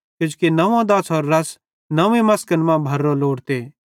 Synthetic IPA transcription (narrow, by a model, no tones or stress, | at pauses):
kʊ̃d͡ʒkenɐʋãd̪ɐsoːɾːɐs | nɐ̃ẽmɐskənmãbʱɐɾːoloːɽt̪eː